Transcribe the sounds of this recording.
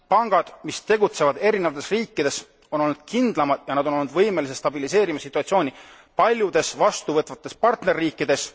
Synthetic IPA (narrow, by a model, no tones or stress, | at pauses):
pɑŋɡ̥ɑd̪̥mist̪e̞ɡut̪se̞vɑd̪̥e̞ɾinevɑt̪ːˑesriːkːˑid̪̥e̞s | o̞no̞lnud̪̥̚kʰind̪̥lɑmɑd̪̥jɑnɑd̪o̞no̞lnud̪vɤjme̞lis̬est̪ɑbilise̞ːɾimɑsit̪ːˑuɑt̪sio̞ːnʲi | pɑlʲjud̪̥e̞svɑst̪uvɤt̪vɑt̪ːˑe̞spɑrt̪ne̞rːiːkːˑid̪̥e̞s